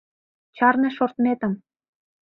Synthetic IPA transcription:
t͡ɕɑrnɤʃort̪met̪ə̆m

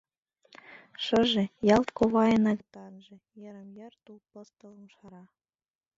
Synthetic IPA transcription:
ʂɤ̆ʒĕjɑlˠt̪koβɑjɤ̆nɑkt̪ɑnʒĕ | jɤ̆ɾə̆mjɤ̆rt̪ulpɤ̆st̪ɤ̆lˠɤmʃɑɾɑ

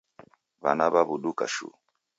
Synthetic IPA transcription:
βa̰naβaβuɗuka̰ʃṵ

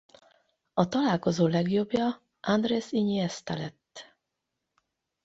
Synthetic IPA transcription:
ɒt̪ɒlaːlko̞zoːlɛɡjo̞bjɒ | and̪reːsiɲiɛst̪ɛlɛt̪ː

